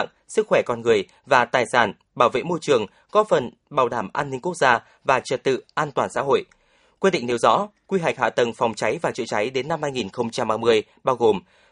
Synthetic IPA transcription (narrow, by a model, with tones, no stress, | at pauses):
ŋ | sɨ˦˥k̚xwɛ˧˩kɔ˧nŋɨ˨˩əj | vaː˨˩t̪aː˨˩jsaː˧˩n | ɓaː˧˩wvḛ˧˨mo˧jt͡ɕɨ˨˩əŋ | kɔ˨˦fə˨˩n | ɓaː˨˩wɗaː˧˩mʔaː˧nːï˧ŋ̟ku˦˥ək̚zaː˧ | vaː˨˩t͡ɕə˨˩t̚t̪ɨ̰˧˨ʔaː˧nt̪waː˨˩nsa̰˧˥ɦo̰˧˨jʔ | kwi˧ɗḭ˧˨ŋ̟ne˨˦wzɔ̰˧˥kwi˧ɦa˨˩k̚ha̰ː˧˨t̪ə˨˩ŋfa˨˩wŋ͡mt͡ɕa˨˦jvaː˨˩t͡ɕɨ̰˧˨t͡ɕa˨˦jɗe˨˦nːa˧mhaː˧jŋi˨˩nxə˧wŋ͡mt͡ɕa˧mʔaː˧mɨ˧əj | ɓaː˧wɣo˨˩m